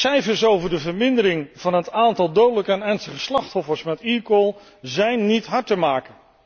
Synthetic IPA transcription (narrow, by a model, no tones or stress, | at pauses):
sɛjfəɹsowvəɹdəvəɹmɪndəɾɪŋv̥ɑnɦətaːntɑlˠdowdələkəɛnɛɹnstəχəslɑχtɦɔfəɹsmɛtikolˠ | zɛjnːitɦɑɹtəmaːkən